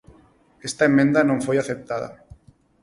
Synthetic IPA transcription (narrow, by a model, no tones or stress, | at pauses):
est̪aemːẽnd̪anõŋfojaθep̚t̪aðɐ̰